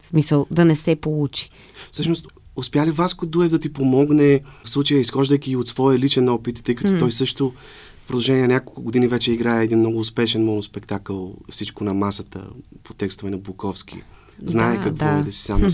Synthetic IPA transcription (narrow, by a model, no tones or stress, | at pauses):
smisəlˠd̪ɐnɛsɛpolˠut͡ʃi̥ | fsɤʃnost̪ʊspʲjalivaskod̪uɛvd̪ɐt̪ipomɔɡnɛfslˠut͡ʃəjəisxɔʒd̪əjkʲiːot̪svɔjəlit͡ʃɛnɔpit̪t̪ːɤjkɐt̪ɔt̪ɔjsɤʃt̪o | fpɾod̪ɐʒɛnʲiɛnɐnʲakolˠkʊɡʊd̪inivɛt͡ʃɛiɡɾajəɛd̪inmnɔɡʊːspɛʃɛnmɔnospɛkt̪akəlˠfsit͡ʃkonɐmasət̪ə̰pot̪ɛkst̪ovɛnɐblokɔfsk̟ḭ | znajɛkakvid̪ɐsi̥sam